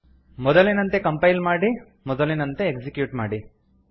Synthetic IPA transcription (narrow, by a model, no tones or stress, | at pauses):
mɔd̪ɐlinɐnt̪e̞kɐmpɐjlmaːɽi | mɔd̪ɐlinɐnt̪eekd͡ʒikjuːʈmaːɽi